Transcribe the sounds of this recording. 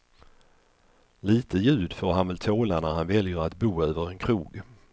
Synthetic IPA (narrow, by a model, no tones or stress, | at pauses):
liːt̪əjʉ̟ːd̪foːɾɦanvɛlt̪ʰoːlanæɾhanvɛljəɾat̪buːøːvəɾɛnkʰɾuːɡ